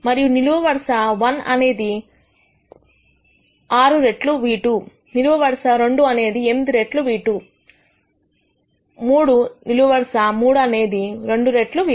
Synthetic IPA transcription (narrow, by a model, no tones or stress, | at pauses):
mɐɾijuniluʋɐʋɐɾɐʂɐʋɐnɐ̰ne̞ːd̪i | aːɾuɾe̞ʈluʋiːʈu | niluʋɐʋɐɽɐʂɐɾe̞ɳɖuɐne̞ːd̪iemid̪iɾe̞ʈluʋiːʈu | muːɽuniluʋɐʋɐɾɐʂɐmuːɽuɐne̞ːd̪iɾe̞ɳɖuɾe̞ʈluʋiː